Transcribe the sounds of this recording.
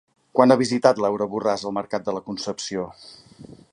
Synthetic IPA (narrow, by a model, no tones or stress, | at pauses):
kwanaβizit̪at̪lɛwɾəβurazəlˠməɾkat̪̚d̪ələkunsəpsio